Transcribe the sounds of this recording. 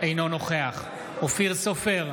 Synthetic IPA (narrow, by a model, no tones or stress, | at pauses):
ejnonoχeaχ | ofiʁsofeʁ